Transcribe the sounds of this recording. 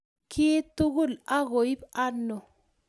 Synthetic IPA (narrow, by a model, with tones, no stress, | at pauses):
kʰi˦t̪u˦ɡu˦˨la˦ɣo˨i˦ba˦no˨